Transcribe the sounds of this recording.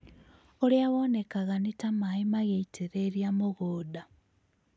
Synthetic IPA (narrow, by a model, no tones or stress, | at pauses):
oliaβonekaɣanitamaimaɣeitʰiɾeːɾjamoɣoːda